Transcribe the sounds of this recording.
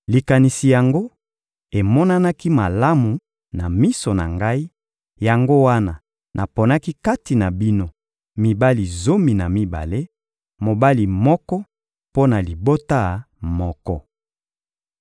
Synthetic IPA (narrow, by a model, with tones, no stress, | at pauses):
li˨ka˨ni˨si˨ja˨ŋɡo˦ | e˨mɔ˦na˦na˦ki˦ma˨la˦mu˨ | na˨mi˦so˨na̰˨ŋɡa˦i˦ | ja˨ŋɡo˦wa˦na˨ | nʔa˨po˨na˦ki˦ka˦ti˨na˨bi˦no˦ | mi˨ba˦li˨zo˦mi˨na˨mi˦ba̰˨le˦ | mo˨ba˦li˨mɔ˦kɔ˦ | po˦na˨li˨bo˦ta˦˨ | mɔ˦kɔ̰˦